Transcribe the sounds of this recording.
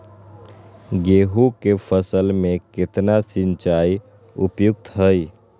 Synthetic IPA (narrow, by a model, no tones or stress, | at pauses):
ɡeɦukepʰəsəlmeket̪nasint͡ʃaj | upjuk̚t̪ɦəj